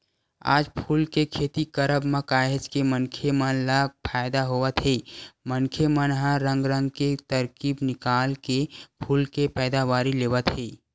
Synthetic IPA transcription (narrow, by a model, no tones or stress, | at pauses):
a̰ːd͡ʒpʰuːlkekʰeːt̪ikəɾəbməkaːɦed͡ʒkemənkʰemənlapʰaːjd̪aɦowət̪ɦeːmənkʰemənɦãɾə̃ŋɡɾə̃ŋɡket̪əɾkiːbnɪkaːlkepʰuːlkepɛːd̪awaːɾileːwət̪ɦeː